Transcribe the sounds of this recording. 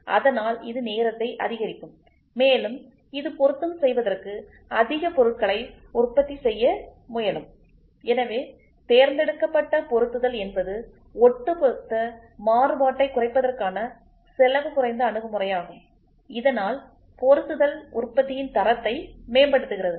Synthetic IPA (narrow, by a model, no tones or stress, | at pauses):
ʔɐ̰ðɐnaːlɪ̰ðɯneːɾɐt̪ːɐɪʔɐ̰ðɪɣɐɾɪkːɯmː | eːlɯm | ɪðɯpɔɾɯt̪ːɯmsɛjʋɐðɐrkɯ | ɐðɪɣɐpɔɾɯʈ̚kɐɭɐɪ | ʊrpːɐt̪ːisɛjːɐmʊjɐlɯm | ɛnɐʋeː | t̪eːɾnd̪ɛɽɯkːɐpːɐʈːɐpɔɾɯt̪ːɯðɐlɛnbɐðɯ | ɔʈːɯpɔɾɯt̪ːɐ | maːrɯbaːʈːɐɪkʊrɐɪpːɐðɐrkaːnɐ | sɛlɐʋɯkʊrɐɪnd̪ɐːɳɯɣɐmʊrɐjaːɣɯm | ɪðɐnaːl | pɔɾɯt̪ːɯðɐlʊrpːɐt̪ːɪjɪnt̪ɐɾɐt̪ːɐɪmeːmbɐɽɯt̪ːɯɣɪrɐðɯ